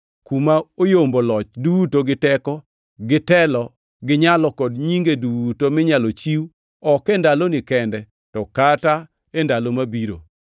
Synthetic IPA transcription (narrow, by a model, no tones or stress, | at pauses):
kumaojombolɔt͡ʃdutoɡɪtɛkɔ | ɡɪtɛlɔ | ɡɪɲalɔkɔdɲiŋɡedutomɪɲalot͡ʃiw | ɔkɛndalonɪkɛndɛ | tɔkata | endalomabiɾo̰